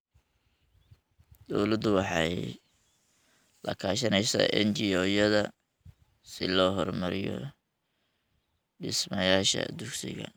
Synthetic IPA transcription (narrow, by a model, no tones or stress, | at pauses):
d̪̥ɔwlɐd̪ʊwɑħɑj | lɐkʰaːʃɐnɛjsɔ̰ʔɛnt͡ʃɪɔːjɐðɐ | sɪlɔːɦɔrmɐɾɪjɔ̰ | ɖɪsmɐjaːʃɐ̰d̪ʊɡsɪɣɐ̰